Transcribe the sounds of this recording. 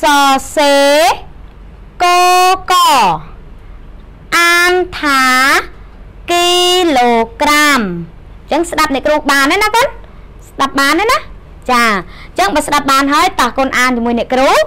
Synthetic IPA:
sɑːseː | koːkɑ | ʔaːnt̪ʰaː | kiloːkram | t͡ɕəŋsɗap̚nɛ̆əʔkruːhɓaːnːanahkŏən | sɗap̚ɓaːnːajnah | t͡ɕaː | t͡ɕəŋɓaːsɗap̚ɓaːnɦaəjt̪ɑhkoənʔaːnt͡ɕəmuəjnɛ̆əʔkruː

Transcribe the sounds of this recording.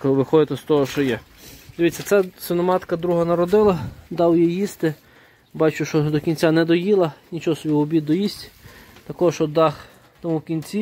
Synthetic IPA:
kʋɪxɔd̪ɪt̪ɛst̪ɔɦɔʃt͡ʃɔjɛ | d̪eʋʲitʲt͡sʲːɐt̪sɛsɪnɔmɑt̪kɐd̪ɾuɦɐnɐɾɔd̪ɪlˠɐd̪ɑwjɛjjist̪ɪ | bɑt͡ʃʊʃt͡ʃɔd̪ɔkʲinʲt͡sʲanɛd̪ɔjilˠɐnʲit͡ʃɔɦɔsɔbʲiwɔbʲid̪ɔjisʲtʲt̪ɐkɔɦɔʃt͡ʃɔd̪ɑx | t̪ɔmukʲinʲt͡sʲi

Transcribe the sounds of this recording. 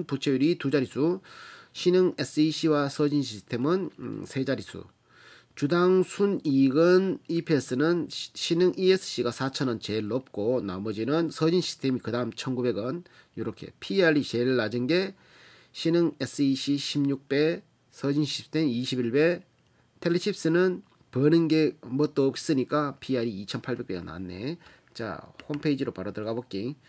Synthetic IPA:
nput͡ɕʰejuɾit̪ud͡ʑaɾisʰuɕʰinɯŋes͈ɯiɕʰiwasʰʌd͡ʑinɕ̬ʰistʰe̞mɯnsʰe̞d͡ʑaɾisʰṵ | t͡ɕudaŋsʰuniɡɯnipʰies͈ɯnɯnɕʰinɯŋies͈ʰɯ̥ɕ͈ʰiɡasʰat͡ɕʰʌnɯnt͡ɕe̞ɭːʌp̚k͈ona̰mʌd͡ʑinɯnsʰʌd͡ʑinɕʰi̥stʰe̞mikɯdaɦɯmt͡ɕʰʌnɡube̞ɡʌn | joɾʌkʰe̞̰pʰiaɾit͡ɕe̞ɭɭːad͡ʑɯnɡe̞ | ɕʰinɯŋes͈ɯiɕʰiɕʰimɲuk̚p͈e̞ | sʰʌd͡ʑinɕʰistʰemiɕʰibiɭbe̞ | tʰeɭːeɕʰip̚s͈ɯnɯn | pʌnɯnɡe̞mʌt̚t͈oʌp̚s͈ɯɲik͈apʰiaɾiːt͡ɕʰʌnpʰaɭbe̞k̚p͈e̞ɡʌna̰nːe̞̰ | t͡ɕa̰hompʰeid͡ʑiɾopaɾʌdɯɾʌɡabok͈̚i

